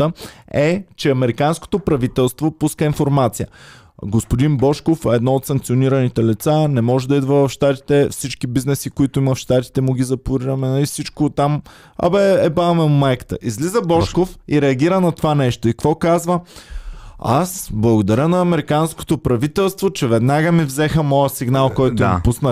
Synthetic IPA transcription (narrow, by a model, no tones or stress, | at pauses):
əɛt͡ʃɛɐmɛɾikansko̥t̪opɾɐvit̪ɛlˠst̪vopuskəinfoɾmat̪sijə | ɡospod̪inbɔʃkofɛd̪nɔot̪sɐ̃ŋkt̪sioniɾɐnit̪ɛlit̪sanɛmɔʒɛd̪ɐid̪vəvɐfʃt̪at̪i̥t̪ɛfsit͡ʃkibiznɛsikoit̪ʊimɐfʃt̪at̪i̥t̪ɛmʊɡʲizɐpʊɾiɾəmɛnifsit͡ʃkot̪ːam | ɐ̰bɛɛbamɛmumɛkt̪ə̰ʔizlizəbɔʃkofiɾɛɐɡʲiɾənɐt̪ovanɛʃt̪oikvɔkazvə | a̰sblˠɐɡod̪ɐɾʲənɐːmɛɾikansko̥t̪opɾɐvit̪ɛlˠst̪vot͡ʃɛvɛd̪naɡəmivzɛxəmɔjəsiɡnalˠkɔjt̪ʊimpusnə